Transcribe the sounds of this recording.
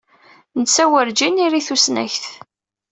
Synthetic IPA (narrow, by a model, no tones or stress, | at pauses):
nət͡sːæwəɾd͡ʒiniɾiθusnæ̰çθ